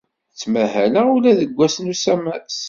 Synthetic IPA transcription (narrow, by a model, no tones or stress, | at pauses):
t͡sːmæhælæulæðəɡʷːæsnusæmæs